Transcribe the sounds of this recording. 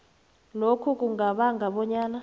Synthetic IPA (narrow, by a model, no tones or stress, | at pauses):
lokʰuk̬ʼuŋaɓaŋɡʱaɓɔɲaːna